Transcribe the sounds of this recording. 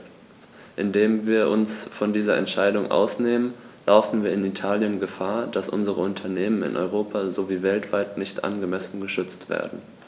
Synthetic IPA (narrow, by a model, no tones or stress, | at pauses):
ʔɪndeːmviːɐʔʊnsfɔndiːzɐɛ̰ntʃaɪdʊŋʔa̰ʊsneːmənlaʊfn̩viːɐɪnitʰaːljənɡəfaːɐd̥asʔʊ̰nzəʁəʊntʰɐneːmənɪ̰nʔɔ̰ʏʁ̞oːpʰazoviːvɛltv̥aɪtnɪçtʔa̰nɡəmɛsn̩ɡəʃʏt͡stv̥ḛːɐdn̩